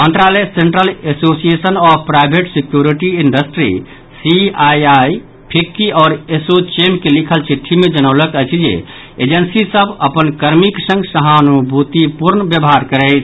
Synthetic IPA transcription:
mənt̪ɾaleseɳʈɾəlesosiesənɔbpɾajbʱeʈsikjuɾiʈiiɳɖəsʈɾḭ | siajaj | pʰikːiɔːɾesot͡ʃemkelikʰəlt͡ʃʰit̪ʰːimed͡ʒənəʊləkɛjt͡ʃʰid͡ʒḛ | ed͡ʒənsisəbəpənkəɾmiksə̃ŋɡsəɦanubʱut̪ipuɾnbjəbɦaɾkəɾɛɪt͡ʃʰ

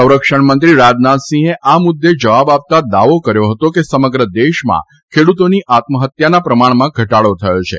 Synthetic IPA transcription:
əwɾəkʂəɳmənt̪ɾiɾad͡ʒnat̪sĩɦeʔamʊd̪ːed͡ʒəʋabap̚t̪ad̪aʋokəɾjoɦət̪okesəməɡɾəd̪eʃmã̰ | kʰeɽut̪oniʔat̪məɦət̪janapɾəmaɳ̃mãɡʱəʈaɭot̪ʰəot͡ʃʰḛ

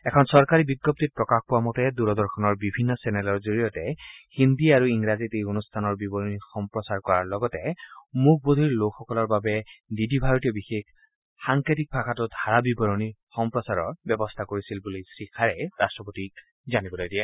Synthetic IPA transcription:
ɛkʰɔnsɔɹkaɹibiɡːɔp̚tit̚pɹɔkaxpʊwamɔtɛduɹɔdɔɹxʰɔnɔɹbibʱinːɔsɛnɛlɔɹzoɹijɔtɛhindiaɹuiŋɹazitejonustʰanɔɹbibɔɹonixɔmpɹɔsaɹkɔɹaɹlɔɡɔtɛmuk̚ʰbod̪ʱiɹlokxɔkɔlɔɹbabɛdidibʱaɹotiɔbixek | xaŋketik̚pʰakʰatʊdʱaɹabibɔɹonixɔmpɹɔsaɹɔ̰ɹbɛbɔstʰakoɹisilbulisɹikʰaɹɛɹastɹɔpotik̚ | zanibɔlojdijɛ

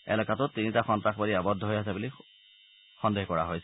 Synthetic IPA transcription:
ɛ̰lɔkatʊtːinitaxɔntɹaxbaliabɔdʱːɔɦojasabuli | xɔndehkɔɹaɦojsɛ

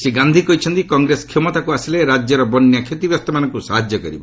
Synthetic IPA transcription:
seɡand̪ʱikɔɦit͡ʃʰɔnt̪ikɔŋɡɾeskʰemɔt̪akuasileɾad͡ʒjɔɾɔbɔnjakʰjet̪ibjɔst̪ɔmanɔŋkusaɦad͡ʒjɔkɔɾibɔ

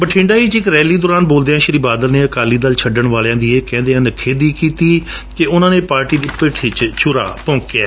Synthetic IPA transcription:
bəʈʰɪ̃ːɳɖaːiːt͡ʃɪkɾɛːliːd̪ʊːɾaːnboːld̪eːãːʃɪɾiːbaːd̪əlneːəkaːliːd̪əlt͡ʃʰəɖəɳʋaːljãːd̪iːeːkɛ̃ːnd̪eːãːnəkʰːeːd̪iːkiːt̪iːkeʊnãːneːpaːɾʈiːd̪iːpeːʈʰiːt͡ʃt͡ʃʰʊɾa̰ːpɔ̃ːkea̰ː

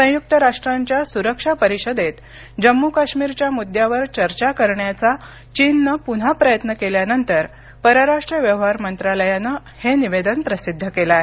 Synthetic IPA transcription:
sə̃juk̚t̪əɾaʂʈɾaɲt͡ɕjasuɾəkʂapəɾiɕəd̪et̪ | d͡ʑəmːukaɕmiɾt͡ɕjamud̪ʱːjaʋəɾt͡ɕəɾt͡ɕakəɾɳjat͡sa | t͡ɕinːəpun̤apɾəjət̪nəkeljanənt̪əɾ | pəɾəɾaʂʈɾijəʋjəʋɦaɾmənt̪ɾaləjanə | heniʋed̪ənpɾəsid̪ʱːəkelae

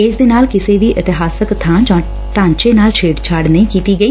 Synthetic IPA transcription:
ɪsd̪eːnaːlkɪseːʋiːʔɪt̪ɪɦaːsəkt̪ʰãːd͡ʒãː | ʈãːɲt͡ʃeːnaːlt͡ʃʰeːʈt͡ʃʰaːɽnəĩkiːt̪iːɡəiː

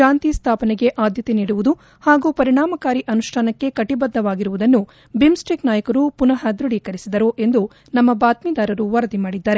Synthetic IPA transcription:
aːnt̪ist̪ʰaːpɐneɡe̞ʔaːd̪ʱjɐt̪eniːɽuʋud̪u | haːɡuːpɐɾiɳaːmɐkaːɾiʔɐnuʃʈʰaːnɐkːe̞kɐʈibɐd̪ːɐʋaːɡiɾuʋud̪ɐnːu | bimsʈɾiknaːjɐkɐɾupunɐɦɐd̪ɾuɽikɐɾisid̪ɐɾoʔe̞nd̪u | nɐmːɐbaːt̪miːd̪aːɾɐɾuʋɐɾɐd̪imaːɽid̪ːaːɾe

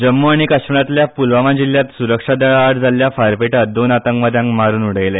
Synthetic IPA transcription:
d͡ʑəmːoaɽ̃ikaɕməɽat̪ljapulʋaʋãd͡ʑilːjat̪suɾəkʂad̪əɭaaɽd͡zʱaljafaɾpeʈad̪onat̪əŋkʋad̪jãŋkmaɾuːnuɽ̤əjle

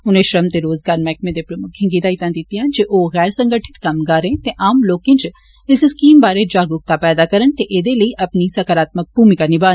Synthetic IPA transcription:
ʊnẽʃɾəmt̪eɾoːzɡaːɾmɛːkmẽd̪epɾɐmʊkʰĩɡiːd̪ait̪ãnd̪it̪iɦãd͡ʒeːʔoːɣɛːɾsɐ̃ŋɡəʈʰɪ̥t̪kɐmɡaːɾẽt̪ẽʔaːmloːkɪ̃nt͡ʃ | ɪsɪskiːmbaːɾed͡ʒaːɡɾʊk̚t̪apɛːd̪akɐɾənt̪eʔeːd̪eləiʔɐpnisɐkəɾaːt̪mək̚buːmikɐɾnibaːn

